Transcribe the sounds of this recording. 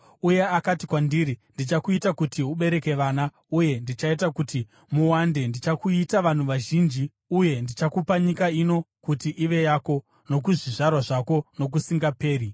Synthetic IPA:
uje̞akatikwandiːɾindit͡ʃakuitakutiɦuɓe̞ɾe̞ke̞ʋaːna | uje̞ndit͡ʃaitakuti | muwande̞ndit͡ʃakuitaʋan̤uʋaʒind͡ʒi | uje̞ndit͡ʃakupaɲikaino̞kutiʔiʋe̞jaːko̞ | no̞k̬uʐiʐarwaʐako̞no̞k̬usiŋɡape̞ːɾi

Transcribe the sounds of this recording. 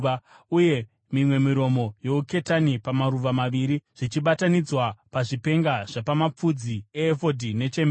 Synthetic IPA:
uje̞ | mimwe̞miɾo̞mo̞jo̞uke̞tanipamaɾuʋamaʋiːɾiʐ̥it͡ʃiɓatanid͡zwapaʐipe̞ŋɡaʐ̥epamap͡fud͡zieːfo̞dʱine̞t͡ʃem

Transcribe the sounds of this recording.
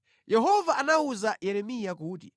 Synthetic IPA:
jɛɦɔvaːnauzajɛɾɛmijakuːti

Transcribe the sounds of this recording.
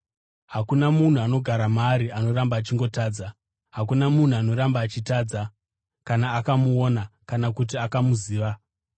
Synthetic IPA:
ɦakunamun̤uano̞ɡʱaɾamaɾiano̞rambaːt͡ʃiŋɡo̞taːd͡za | ɦak̬unamun̤uano̞ɾambaːt͡ʃitaːd͡za | kanaːkamuonakanakut̬iakamuziːʋa

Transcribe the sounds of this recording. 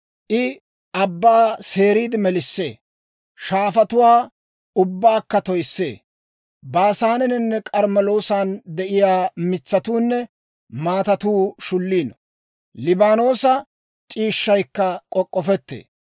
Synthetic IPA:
ʔɪ | ʔɐbːaːse̞ːɾiːd̪ɪmɛlɪsːḛː | ʃaːfɐt̪ʊwaː | ʊbːaːkːɐt̪ɔjsːḛː | baːsaːnɛnɪnːɛkʼɐɾmɐlo̞ːsaːnd̪ɛʔɪjaːmɪt͡sːɐt̪uːnːɛ | maːt̪ɐt̪uːʃʊlːiːnɔ | lɪbaːno̞ːsɐ | t͡ʃʼiːʃːɐjkːɐkʼɔkʼːɔfɛt̪ːḛː

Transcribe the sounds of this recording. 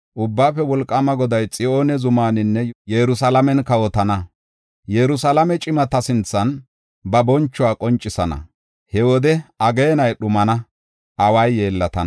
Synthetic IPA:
ʔʊbːaːfɛwɔlkʼːɐmɐɡɔd̪ɐjt͡sʼɪʔo̞ːnɛzʊmaːnɪnːɛjɛɾʊsɐlɐmɛnkɐwɔt̪ɐnɐ | jɛɾʊsɐlɐmɛt͡ʃʼɪmɐt̪ɐsɪnt͡sːɐn | bɐbɔnt͡ʃːʊaːkʼɔnt͡ʃʼːɪsɐnɐ̰ | hɛwɔd̪ɛɐɡeːnɐjɗʊmɐnɐ | ʔɐwɐjːe̞ːlːɐt̪ɐn

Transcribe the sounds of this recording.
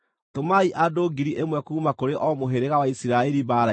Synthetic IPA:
tomaiʔadoːɡiɾiʔemwɛkuːmakoɾeʔɔmoɦeɾeɣawaisiɾaɛɾibaːɾa

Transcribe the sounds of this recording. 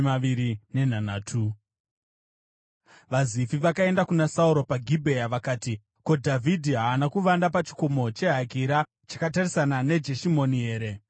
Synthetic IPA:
maʋiɾine̞n̤anaːtʰu | ʋazifiʋakae̞ndakunasauɾo̞paɡʱibʱe̞jaʋakaːti | ko̞dʱavʱidʱiɦaːnakuʋandapat͡ʃi̥komo̞t͡ʃe̞ɦakiɾa | t͡ʃḁkatarisanane̞d͡ʒe̞ʃimo̞niɦeːɾe̞

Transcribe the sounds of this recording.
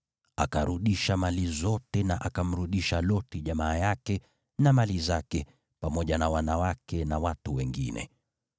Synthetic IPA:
a̰kaɾuɗiʃamalizɔtɛnaʔakam̩ɾuɗiʃalɔtiʄamaːjakɛ | namalizakɛ | pamɔʄanawanawakɛnawatuwɛŋɡḭnɛ̰

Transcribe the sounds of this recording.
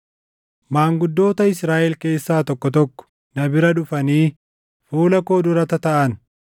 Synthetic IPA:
maːŋɡʊd̪ːo̞ːt̪ɐɪsɾaːʔɛlke̞ːsːaːt̪ɔkːɔt̪̬ɔkːɔ̥ | nɐbɪɾɐᶑʊfɐniː | fuːlɐko̞ːd̪ʊɾɐt̪ɐt̪ɐʔɐn

